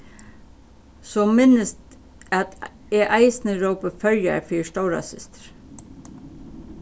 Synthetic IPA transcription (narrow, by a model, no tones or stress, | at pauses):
sɔːmɪnəst̪ | æt̪ | ɛʔaɪsnəɾɔwpəfœɾja̰fiːʂt̪oʊɾa̰sɪ̰st̪ə̥ɾ̥